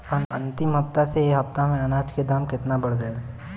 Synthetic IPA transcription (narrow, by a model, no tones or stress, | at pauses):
ɐnɐ̃nt̪ɪmɦɐpt̪aseeɦɐpt̪amẽɐnaːd͡ʒked̪aːmkɪt̪nabɐɽɡɐjaɦɛ